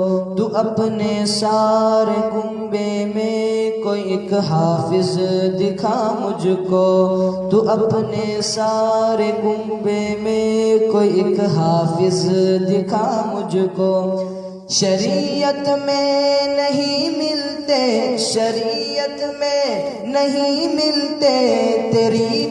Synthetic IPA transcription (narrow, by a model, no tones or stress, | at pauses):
t̪uːʔɐpnesaːɾekʊmbemẽkoːiɪkɦaːfɪzd̪ɪkʰamʊd͡ʒʱʊkot̪uːʔɐpne | saːɾekʊmbemẽkoːiɪkɦaːfɪzd̪ɪkʰaːmʊd͡ʒʱʊkoː | ʃɐɾiət̪mẽnɐɦĩmɪlt̪eʃɐɾiət̪mẽnɐɦĩmɪlt̪et̪eːɾi